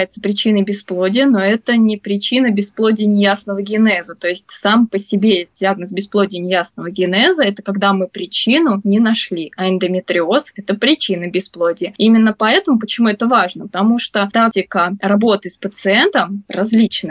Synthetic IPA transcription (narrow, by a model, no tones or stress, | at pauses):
jɪt̪səpɾʲɪt͡ɕinəjbʲɪsplˠo̞dʲɪjəno̞ɛt̪ənʲɪpɾʲɪt͡ɕinəbʲɪsplˠo̞dʲɪjnʲɪjasnəvəɡʲɪnɛzət̪o̞ɪsʲtʲsampəsʲɪbʲedʲɪaɡnəsbʲɪsplˠo̞dʲɪjnʲɪjasnəvəɡʲɪnɛzəɛt̪əkɐɡd̪amɨpɾʲɪt͡ɕinʊnʲɪnɐʂlʲiʔɐɪnd̪əmʲɪt̪ɾʲɪo̞sɛt̪əpɾʲɪt͡ɕinəbʲɪsplˠodʲɪjəimʲɪnːəpɐɛt̪əmʊpət͡ɕɪmuɛt̪əvaʐnəpə̥t̪ɐmuʂt̪ot̪ak̚tʲɪkərɐbo̞t̪ɨspət̪sɨɛnt̪əmrɐzʲlʲit͡ɕnɨ